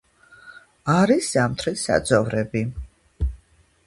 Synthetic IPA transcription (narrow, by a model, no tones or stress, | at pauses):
aɾisamt̪ʰɾisa̰d̪zʼɔvɾɛbi